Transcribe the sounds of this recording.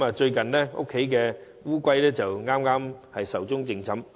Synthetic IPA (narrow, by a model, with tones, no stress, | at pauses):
maː˨t͡ʃɵ˧ɥkɐ˨nnɛː˥ŋʊ̰˥kʰːe˨˥jkɛː˧ | wuː˥kʷɐ˥jlɛː˥t͡sɐ˨wŋaː˥mŋaː˥mhɐ˨jsɐ˨˩wt͡sʊ˥ŋt͡sɪ˨˧ŋt͡sʰɐ˨˥m